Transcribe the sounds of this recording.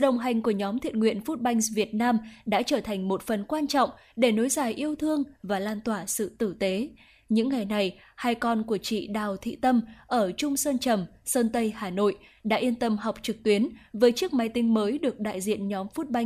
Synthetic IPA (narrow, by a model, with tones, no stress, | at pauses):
ɗə˨˩wŋ͡mɦa˨˩jŋ̟ku˧˩əɲɔ˨˦mt̪ʰi˨ət̚ŋwḭ˧˨ənfu˦˥t̚ɓa˧jŋ̟vi˨˩ət̚naː˧mɗa̰ː˧˥t͡ɕəː˧˩t̪ʰa˨˩jŋ̟mo˨˩t̚fə˨˩nkwaː˧nt͡ɕɔ̰˧˨wŋ͡m | ɗe˧˩no˨˦jzaː˨˩jʔi˧əwt̪ʰɨ˧əŋvaː˨˩laː˧nt̪waː˧˩sɨ̰˧˨t̪ɨ˧˩t̪e˨˦ | ɲɨ̰˧˥ŋːa˨˩jna˨˩j | haː˧jkɔ˧nku˧˩ət͡ɕḭ˧˨ɗaː˨˩wt̪ʰḭ˧˨t̪ə˧mʔəː˧˩t͡ɕʊ˧ŋ͡msəː˧nt͡ɕə˨˩msəː˧nt̪ə˧jhaː˨˩no̰˧˨jɗa̰ː˧˥ʔi˧ənt̪ə˧mɦa˨˩wk͡p̚t͡ɕɨ˨˩k̚t̪wi˨˦ənvəː˨˦jt͡ɕɨ˦˥ək̚ma˨˦jt̪ï˧ŋ̟məː˨˦jɗɨ˨˩ək̚ɗa̰ː˧˨jzḭ˧˨ənɲɔ˨˦mfu˦˥t̚ɓa˧j